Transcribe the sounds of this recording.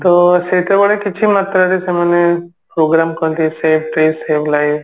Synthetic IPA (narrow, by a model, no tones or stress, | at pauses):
t̪oset̪ʰebəɽekɪt͡ʃʰimat̪ɾaɽisʰeməne | pɾoɡɾamkə̃t̪iseːʋʈɾeseːʋlaiʋ